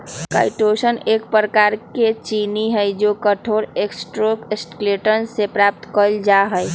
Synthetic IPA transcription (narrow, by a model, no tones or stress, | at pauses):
ka̰ːɪʈoːʃəneːk̚pɾəkaːɾket͡ʃiniɦəd͡ʒoːkəʈʰoːɾeksʈɾoːkɪsʈkleːʈənsepɾaːp̚t̪kəld͡ʒaɦəj